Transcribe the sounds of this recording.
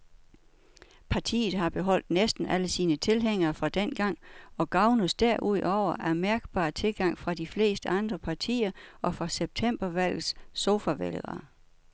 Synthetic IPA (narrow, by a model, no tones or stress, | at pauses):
pʰɑ̈t͡sʰḭːð̞̩ˠɦɑ̈b̥e̝ɦɒ̽l̰d̥nesd̥n̩ʔæləsiːnət͡sʰe̝lɦeŋ̰ɐːfʁɑ̈d̥en̰ɡ̥ɑ̈ŋ̰ɒ̽ɡ̥ɑ̈ʊnusd̥æɐʔuð̞̰ˠɒʊ̰ɐʔæɐmæɐɡ̥b̥ɑ̰̈ːt͡sʰe̝lɡ̥ɑ̈ŋ̰fʁɑ̈d̥ifle̝̰ːsd̥əɑ̈nd̥ʁɐpʰɑ̈t͡sʰḭːɐʔɒ̽fʁɑ̈seb̥̚t͡sʰem̰b̥ɐʋæl̰ð̩ˠsːo̝fæʋelðˠɐ